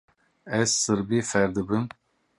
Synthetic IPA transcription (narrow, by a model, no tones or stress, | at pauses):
ɛzsɨɾbiːfɛɾd̪ɨbɨm